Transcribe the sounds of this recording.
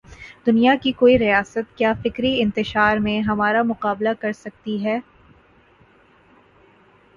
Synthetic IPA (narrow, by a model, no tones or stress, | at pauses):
d̪ʊnijakikoːiɾijaːsət̪̚kjaːfɪkɾiɪ̃nt̪ɪʃaːɾmẽɦɐmaːɾamʊqaːblakɐɾsɐk̚t̪iɦɛː